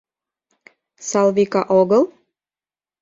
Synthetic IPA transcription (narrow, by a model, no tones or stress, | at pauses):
sɑlˠvikɑʔoɣəlˠ